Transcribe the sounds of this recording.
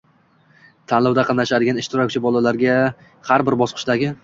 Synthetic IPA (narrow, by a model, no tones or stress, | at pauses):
t̪ʰanlawd̪aqʰɑlˠnaʃad̪ɪɡʲanɪʃt̪ɪɾɒk̚ʲt͡ʃʰɪbɒlˠalaɾɡʲa | haɾbɪɾbɒsqʰɨ̥ʃd̪aɡʲɪ